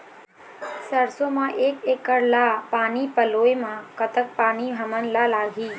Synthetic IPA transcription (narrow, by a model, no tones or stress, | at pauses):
səɾsomãʔeːkekːəɽlapaːniːpəloːemãkət̪ək̚paːniɦəmənlalaːɡʱiː